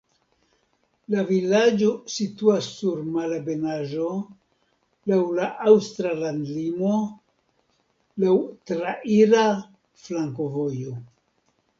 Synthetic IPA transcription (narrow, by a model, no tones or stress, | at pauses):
lavilad͡ʒo̞situasːuɾmalabe̞naʒo̞ | lawlaʔawst̪ɾalandlimo̞ | lawtɾaʔiɾa | flaŋko̞vo̞jo